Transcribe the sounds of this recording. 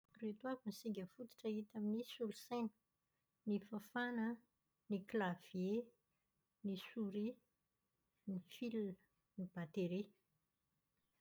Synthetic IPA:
ret̪uakunisiɡʲəfut̪i̥ʈ͡ʂaɦit̪aminisulusajnə̥ | nifafanə | niklav̥je | nisuɾi | nifiln | nib̥at̪eɾe

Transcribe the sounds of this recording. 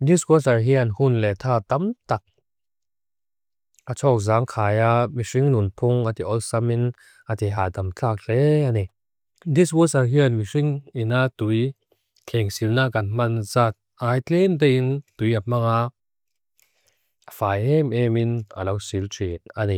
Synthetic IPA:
niskɔsɐɹɦianhunlɛt̪ʰaːt̪amt̪ɐk̚ | ʔat͡sʰɔːk̚zaːŋkʰaːjamisiŋnunpʰuŋat̪iʔɔlsɐmin | at̪ɛɦaːt̪amt͡ɬʰaːk̚ɬɛanɛ | d̪iswɔsɐɹɦianmisiŋinat̪uj | kʰɛŋsilnaːkːanmanzat̪̚ʔaːjtɛnt̪̬ɛint̪ujamaŋa | afaːjɛmɛmina̰lɔwsiltʰit̚ani

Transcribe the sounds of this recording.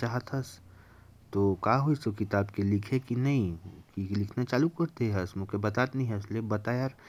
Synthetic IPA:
t͡ʃaːɦət̪ʰɐs | t̪oːkaːɦoisokɪt̪aːbkelɪkʰekinɐĩkilɪkʰnat͡ʃaːlukɐɾt̪eɦɐsmũkebɐt̪aːt̪nɦĩɦʊslebɐt̪aːjaɾ

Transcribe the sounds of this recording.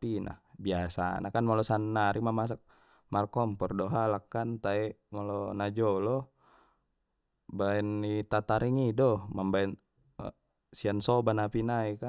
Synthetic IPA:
pina̰biasa̰nakanmalɔsanːaɾimamas̬ak̚ | markɔmpɔrdɔɦalakːant̪aɛmalɔnad͡ʒɔlɔ | baɛnːit̪at̪aɾiŋidɔmambaɛn̰ | siansɔbanapinaika

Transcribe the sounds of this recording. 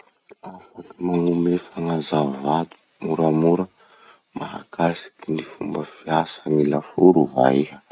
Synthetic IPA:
afakimaŋumefaŋazavat̪u̥ | muɾamuɾə | maɦa̰kʰasi̥kinifumbəfiasənilafuɾuva̰iɦə

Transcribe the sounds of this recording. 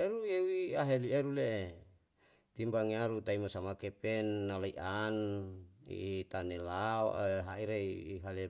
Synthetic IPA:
eɾueuwiaɦelieɾuleʔe | t̪imbaŋiaɾut̪aimasamakepɛnːalaiʔan | ḭt̪anelao̰ʔɦaiɾeiɦalɛ

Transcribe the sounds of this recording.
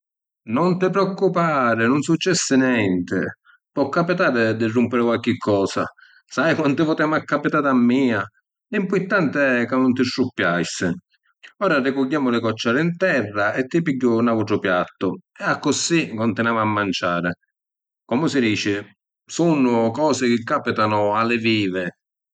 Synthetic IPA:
nɔnt̪ɪpɾeɔkːupaːɾɪnʊnsut͡ʃːɛsːɪnjɛnt̪ɪ̰ | pwɔkːapit̪aːɾɪd̪ɪrːumpɪɾɪkwalk̟ɪkʰːɔːsa̰ | sajkwant̪ɪpʊt̪ɛmakːapit̪aːt̪amːiːa | limpʊjt̪ːant̪ɪɛkːanːʊnt̪ɪʃːupːjajsɪ | ɔːɾarɪkʊʎːaːmʊlɪkɔt͡ʃːaːɾɪint̪ɛrːaʔɛt̪ːɪpiɟːʊnawut̪ɾʊpjat̪ːʊɛakːʊsikɔnt̪ɪnaːmamːant͡ʃaːɾɪ | kɔmʊsɪd̪iːt͡ʃɪ | sunːʊkɔːsɪk̟ɪkːaːpɪt̪anʊalːɪviːvɪ

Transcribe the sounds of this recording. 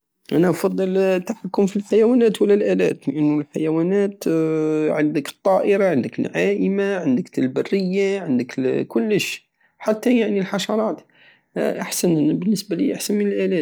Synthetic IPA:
ʔænæʔɑfɑd̪ˤːɑlt̪ːaħakːʊmfilħajæwænæt̪wəlːælʔælæ̰t̪ləʔənːʊlħajæwænæt̪ | ʕand̪əkə̥t̪ˤːɑːʔəɾaʕənd̪əkəlʕaʔəmaʕənd̪ək̪lbɑrːəjːaʕənd̪əkkʊlːəʃ | ħat̪ːajaʕnilħɑʃɑɾˤɑːt̪ | ʔaħsænbənːəsbalḭʔaħsænmənəlʔælæːt̪

